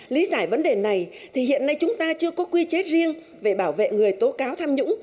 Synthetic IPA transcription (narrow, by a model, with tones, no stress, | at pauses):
li˨˦zaː˧˩jvə˨˦nɗe˨˩na˨˩j | t̪ʰi˨˩hḭ˧˨ənːa˧jt͡ɕʊ˨˦ŋ͡mt̪aː˧t͡ɕɨ˧əkɔ˨˦kwi˧t͡ɕe˦˥t̚zi˧əŋ | ve˧˩ɓaː˧˩wvḛ˧˨ŋɨ˨˩əjt̪o˨˦kaː˨˦wt̪ʰaː˧mɲʊ̰˧˥ŋ͡m